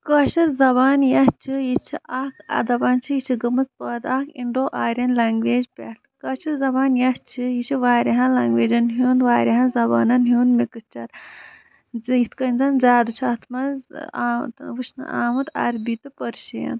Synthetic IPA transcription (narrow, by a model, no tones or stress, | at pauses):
kɐʃɐɾzɐbaːnjɐt͡ʃʰijit͡ʃʰiʔaːkʰɐ̰d̪ɐbaːnt͡ʃʰijit͡ʃʰiɡɐmɨz̚pɐːd̪aːkʰiɳɖoːʔaːɾʲjɐnlaːŋɡʋeːd͡ʒpʲḛt̪kɐʃʰɐɾzɐbaːnjɐst͡ʃʰijit͡ʃʰiʋaːɾɐɦãlɐːŋɡʋeːd͡ʒɐnɦuːnʋaːɾʲiɦãnzɐba̰ːnɐnɦjuːnmikɨt͡ʃɐɾ | jit̪ʰkɐinzɐnzaːd̪ut͡ʃʰiɐt̪ʰmɐzt̪ʋɨt͡ʃʰnɨ̰ʔa̰ːmɨt̪ɐ̰ɾbit̪ɨpɐɾʃɐjɐ̰n